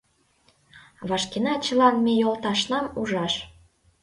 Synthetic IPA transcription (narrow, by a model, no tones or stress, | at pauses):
βɑʃkenɑt͡ɕə̆lɑnmejolt̪ɑʃnɑmuʒɑʃ